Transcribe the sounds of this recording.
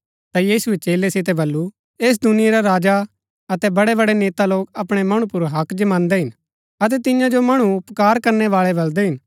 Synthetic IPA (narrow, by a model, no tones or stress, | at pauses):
t̪ajiːsuet͡ʃeːlesɪt̪̬ɛbɐlːu | eːs̬d̪ʊnɪjeɾaɾaːd͡ʒa | ɐt̪ɛbɐɽɛbɐɽɛneːt̪aloːkɐpɽ̃ɛmɐɽ̃upʊɾɦɐkd͡ʒɐmãːnd̪ɛɦɪn | ɐt̪̬ɛt̪ɪjãd͡ʒomɐɽ̃uʊpkaːɾkɐɾnɛʋaːɭɛbɐld̪ɛɦɪn